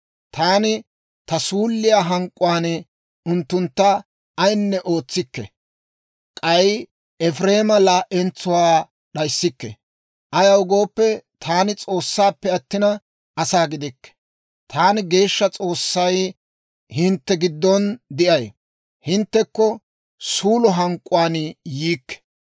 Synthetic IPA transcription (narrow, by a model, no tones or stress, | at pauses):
t̪aːnɪ | t̪ɐsuːlːɪjaːɦɐŋkʼːʊwaːn | ʊnt̪ːʊnt̪ːɐ | ɐjnːɛʔo̞ːt͡sːɪkːɛ̰ | kʼɐj | ɛfɾe̞ːmɐlaːʔɛnt͡sːʊwaː | ɗɐjsːɪkːɛ̰ | ʔɐjɐʊɡo̞ːpːɛt̪ʰaːnɪt͡sʼo̞ːsːaːpːɛɐt̪ːɪnɐ | ʔɐsaːɡɪd̪ɪkːɛ̥ | t̪ʰaːnɪɡe̞ːʃːɐt͡sʼo̞ːsːɐj | hɪnt̪ːɛɡɪd̪ːɔnd̪ɪʔɐj | hɪnt̪ːɛkːɔ | suːlɔɦɐŋkʼːʊwaːnjiːkːɛ̥